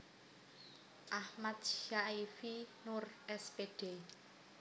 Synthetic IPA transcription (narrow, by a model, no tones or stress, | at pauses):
ʔahmat̪̚ʃaifinurɛspeɖ̥e